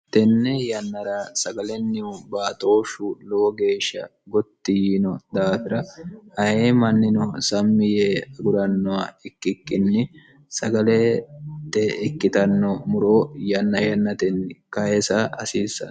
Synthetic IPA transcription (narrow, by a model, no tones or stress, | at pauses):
t̪ɛnːɛjɐnːɐɾɐsɐɡɐlɛnːɪʊbaːt̪o̞ːʃʊloːɡe̞ːʃːɐ̰ | ɡɔt̪ːijinɔd̪aːfɪɾɐhɐheːmɐnːɪnɔsɐmːɪjeɐɡʊɾɐnːɔwaɛkːɪkːɪnːɪ | sɐɡɐlɛt̪ːɛɛkːɪt̪ɐnːɔmʊɾoːjɐnːɐjɐnːɐt̪ɛnːɪkɐjɛsɐɐsiːsːɐ̰